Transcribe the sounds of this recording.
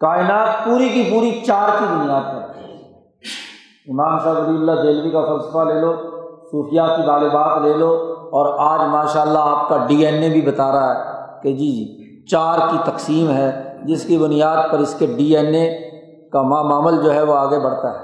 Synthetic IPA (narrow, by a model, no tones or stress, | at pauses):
kaːɪnaːt̪puːɾikipuːɾit͡ʃaːɾkibʊnijaːd̪̚pɐɾt̪ | ɪmaːmsaːbɐliːəlːad͡ʒ̪eːlbikafɐlsə̥faleːloːsuːfɪjakit̪aːlɪbaːt̪leːloɔːɾaːd͡ʒmaːʃaːəlːaaːp̚kaɖiːɛːnːebʱibɐt̪aːɾaɦɛked͡ʒiːd͡ʒiː | t͡ʃaːɾkit̪ɐqsiːmɦɛːd͡ʒɪskibʊnijaːd̪̚pɐɾɪskeɖiːɛːne | kamamaːməld͡ʒoːɦɛʋoaːɡebɐɽ̤t̪aɦɛː